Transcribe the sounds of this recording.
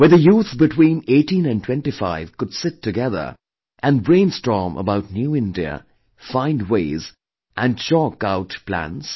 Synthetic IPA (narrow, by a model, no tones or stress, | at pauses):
wə˞ðəjuːθbɨtʰw̥ĩːneɪtĩnɨ̃ntʰw̥ɛ̃ntifaɪv̥kʊd̥sɪtʰːɨɡɛðə̰˞ | ʔɨ̃nbɹẽɪ̃nstɹ̥ɔɹmʔə̰baʊtⁿnjuɪ̃ndiə̰ | fãɪ̃ndweɪz | ʔɨ̃nʃɔkaʊtpl̥æ̰̃ns